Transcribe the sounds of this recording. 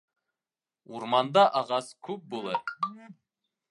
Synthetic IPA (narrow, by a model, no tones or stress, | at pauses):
uɾmɑnd̪ɑʔɑʁɑskʲʰʉp̚bolˠɤɾ